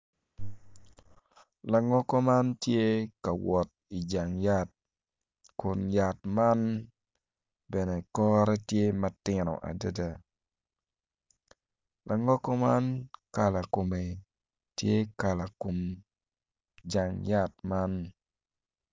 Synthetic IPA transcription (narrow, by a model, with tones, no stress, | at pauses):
la˨ŋɔ˦kɔ˦ma˦ntje˦ka˨wɔ˨t̚ɪ˨d͡ʒa˨ŋjat | kʊ˨nja˨tma˦n | bɛ˨nɛ˨kɔ˦ɾɛ˦tje˦ma˦tɪ˦nɔ̰˨ʔa̰˨də˦da˨ | la˨ŋɔ˦kɔ˦ma˦nka˨la˨ko˨me˨ | tje˦ka˨la˨ko˨m | d͡ʒa˨ŋja˦t̚ma˦n